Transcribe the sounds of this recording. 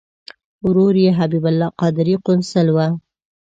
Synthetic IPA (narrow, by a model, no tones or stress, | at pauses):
ɾoɾjeɦabibalːɑqɑd̪ɪɾiqʊnsəlwa